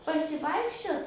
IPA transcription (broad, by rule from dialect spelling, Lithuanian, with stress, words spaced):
pɐsʲɪˈʋɐɪkʃʲt͡ʃʲoːt